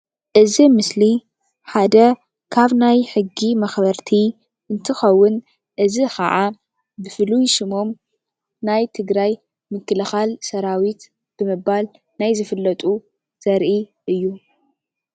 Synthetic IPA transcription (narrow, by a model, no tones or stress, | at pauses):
ʔɨzimɨsli | ħad̪ɐ | kʰaβnajħɨɡːimɐxbɐɾt̪ʰi | ɨnt̪ʰɨxɐwːʊn | ʔɨzixʰɐ̰ʕa | bɨfɨlujʃɨmo̞m | najt̪ʰɨɡɾaj | mɨkʰːɨlɨxalsɐɾawit̪ | b̥ɨmɨbal | najzɨfɨlːɐt̪ʼu | z̥ɐɾʔiʔɨjːu